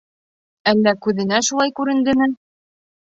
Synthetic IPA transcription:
ælːækʉðɘ̆næʃulˠɑjkʉɾɘ̆nd̪ɘmɘn

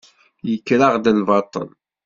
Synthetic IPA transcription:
jəkːɾaʁd̪əlvɑt̪ˤə̰n

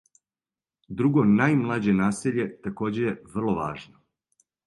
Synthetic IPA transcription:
d̪ɾuɡonajmlˠad͡ʑe̞naːseʎe̞t̪ako̞ːd͡ʑe̞je̞ʋr̩lˠoʋa̰ːʒno

